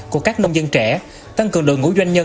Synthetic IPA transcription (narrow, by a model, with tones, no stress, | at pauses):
ku˧˩əkaː˦˥k̚nə˧wŋ͡mzə˧nt͡ɕɛ˧˩ | t̪a˧ŋkɨ˨˩əŋɗɨ̰˨ŋːṵ˧˥zwa˧jŋ̟ɲə˧